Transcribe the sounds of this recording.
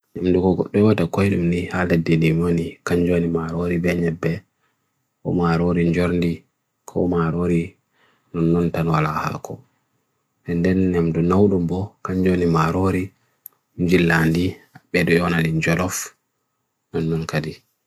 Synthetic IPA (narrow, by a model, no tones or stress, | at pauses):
ɲamdukɔɡɔ̰ɗːɔwatakɔjɗumnihaledːindimonikaɲd͡ʒonimaɾoɾibɛɲɛbːɛ | kɔ̰maɾoɾiɲd͡ʒɔɾndi | kʰɔ̰maɾoɾi | nɔnːɔntanwalaha̰kʰɔ | ɛndɛnɲamdunawɗumbɔkaɲd͡ʒonimaɾoɾi | md͡ʒilːandiaɓɛɗɔɔnaliɲd͡ʒɔlɔf | nɔnːɔnkadi